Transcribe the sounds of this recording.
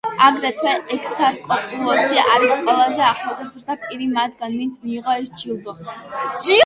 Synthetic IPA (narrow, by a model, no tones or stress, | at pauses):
aɡɾɛt̪ʰwɛʔɛkʰsaɾkʼɔkʼulˠɔsiʔaɾisqʼwɛlˠazɛaχalˠɡazɾd̪apʼiɾimad̪ɡanmint̪sʰmiːʁɔɛsd͡ʒilˠd̪ɔd͡ʒi